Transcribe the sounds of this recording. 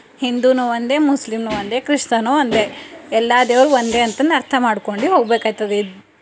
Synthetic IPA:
hind̪uːnuʋond̪e̞ːmuslimnuʋɐnd̪e̞ːkɾiʂt̪ɐnoɐnd̪e̞ɛlːaːd̪jɐʋɐɾuʋond̪e̞ːɐnt̪ɐnːɐɾt̪ʰɐmaːɖkoɳɖiɦoːɡbeːkaːjt̪ːɐd̪e

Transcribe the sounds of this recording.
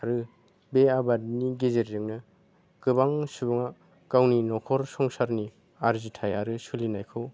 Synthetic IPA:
aɾɯ | beabadniɡezeɾːɯŋnɯ | kɯbaŋsubuŋa | kawninɔkʰɔɾsɔŋsaɾni | aɾzitʰajaɾɯsulinajkʰɯw

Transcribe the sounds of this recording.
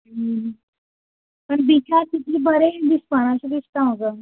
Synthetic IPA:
pəɳb̪ikʰat̪it̪ʰiːbəɾed̪ispəɽ̃aɕid̪ist̪ãɦoɡə

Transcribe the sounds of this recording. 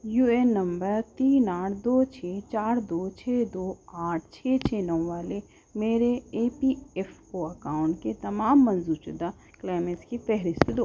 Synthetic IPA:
juːenːɐ̃mbəɾt̪iːnaːʈʰd̪oːt͡ʃʰeːt͡ʃaːɾd̪oːt͡ʃʰeːd̪oːaːʈʰt͡ʃʰeːt͡ʃʰeːnɔʋʋaːle | meːɾeeːpiːefoːɐkaːʊɳʈket̪ɐmaːmːɐ̃nzuːɾt͡ʃʊd̪a | klaːɪmeʈskipɛɦɾɪst̪d̪o

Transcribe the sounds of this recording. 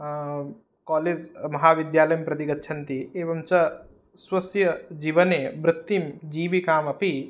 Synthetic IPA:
kaːleːd͡ʒmɐɦaːʋid̪jaːlɐjɐmpɾɐt̪iɡɐt̪ːʃʰɐnt̪ieːʋɐmt͡ʃɐ | swɐsjɐd͡ʒiːʋɐnebɾɪt̪ːimd͡ʒiːbikaːmɐpi

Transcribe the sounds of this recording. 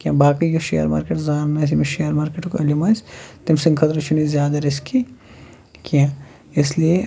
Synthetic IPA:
kiãːbʱaːkijoʃḛːɐ̰ɾma̰ːɾkeʈzaːnmẽs̬imiʃejəɾmaːɾkeʈukɐlimaːst̪ɪmsɪ̃ŋɡkʰɐt̪ɾɐt͡ʃʰunizjaːd̪ɐɾɪskʰi | kijãː | ɪslie

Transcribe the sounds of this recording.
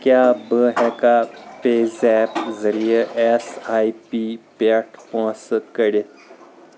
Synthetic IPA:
kjabəɦɛkafesɛpd͡zəɾijəesaipipaʈʰpɔ̃səkəɽet̪

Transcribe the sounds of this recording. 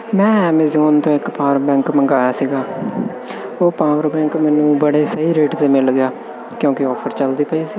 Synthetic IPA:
mɛ̃ːɛːmezoːnt̪õːɪkpaːəɾɾbɛ̃ːŋkməŋɡaːjaːsiːɡaː | oːpaːʋəɾbɛ̃ːŋkmɛːnũːbəɽeːsəɦiːɾeːʈt̪eːmɪlɡɪjaː | kjõːkeɔːpʰəɾt͡ʃəld̪iːpəisiː

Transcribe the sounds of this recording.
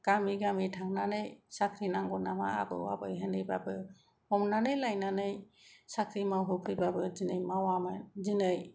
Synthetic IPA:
ɡ̥amiɡamitʰaŋnanɯjsakʰɾinaŋɡɔnama̰a̰bɯ̰wa̰bɯ̰jɦenɯjbabɯ | ɔmnanɯjlajnanɯj | sakʰɾimawɦupʰɯjbabɯzinɯjmawamazinɯj

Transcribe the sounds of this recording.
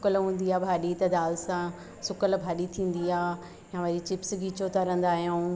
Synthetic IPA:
ʊkəlɦũːn̆d̪iaːbʱaːɗit̪ɐd̪aːlsã | sʊkəlbʱaːɗit̪ʰĩːn̆d̪iaː | jãʋɐɾit͡ɕɪpsɡiːt͡ɕot̪ɐɾə̃nd̪aːɦijũː

